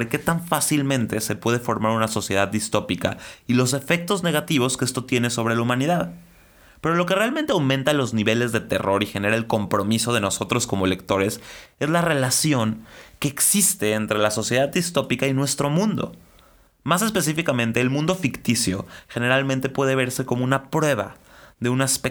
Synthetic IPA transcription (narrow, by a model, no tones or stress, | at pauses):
ɾeke̞t̪aɱfasilmẽnt̪e̞se̞pwe̞ð̞e̞fo̞ɾmaɾunaso̞sje̞ð̞aðːist̪o̞pika̰ilo̞s̬e̞fek̚t̪o̞zne̞ɣ̞at̪iβ̞o̞skee̞st̪o̞t̪je̞ne̞so̞β̞ɾe̞laumãniðað | pe̞ɾo̞lo̞ke̞realmẽnt̪eawmẽnt̪alo̞zniβe̞le̞zðe̞t̪e̞̰ro̞ɾixene̞ɾaelko̞mpɾo̞miso̞ð̞e̞no̞so̞t̪ɾo̞sko̞moelek̚t̪o̞ɾese̞zlare̞lasjo̞ŋke̞ːksist̪e̞ːnt̪ɾe̞laso̞sje̞ðaðːist̪o̞pikainwe̞st̪ɾo̞mũnd̪o̞̰ | mas̬e̞spe̞s̬ifikamẽ̞nt̪e̞ːlmũnd̪o̞fikt̪isjo̞̰xe̞ne̞ɾalmẽnt̪e̞pwe̞ð̞eβ̞e̞ɾse̞komo̞ũnapɾwe̞β̞a̰ðe̞unaspek